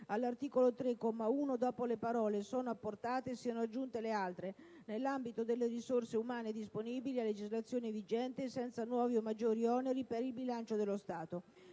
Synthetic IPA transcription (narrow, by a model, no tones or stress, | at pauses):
alːart̪iːkolot̪ɾekːɔmauːnod̪ɔːpolepaɾɔːlesoːnoapːort̪aːt̪esiːanoad͡ʒːunt̪elealt̪ɾe | nelːambit̪od̪elːerisorseumaːned̪isponiːbilialːed͡ʒizlat̪sːjoːnevid͡ʒɛnt̪esɛnt̪sanwɔːviomːad͡ʒːoːɾiɔneɾipeɾilbilant͡ʃod̪elːost̪aːt̪o